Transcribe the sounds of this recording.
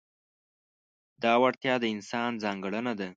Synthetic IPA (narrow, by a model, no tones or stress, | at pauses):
d̪̥ɑwaɽt̪jɑd̪əɪnsɑnd͡zɑŋɡəɽənad̪a